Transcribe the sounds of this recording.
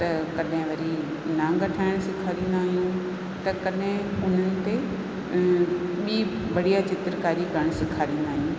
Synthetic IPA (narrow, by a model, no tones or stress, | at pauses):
t̪ɐkɐɗɦɪ̃ʋɐɾi | nãːŋɡɐʈʰaːɪɽ̃sɪkʰaːɾĩːn̆d̪aːɦijũ | t̪ɐkɐɗɦɪ̃ʊn̤ənɪ̆t̪e | ɓiːbɐɽ̤ijat͡ɕɪt̪ɾəkaːɾikɐɾəɽ̃sɪkʰaːɾĩːn̆d̪aːɦijũː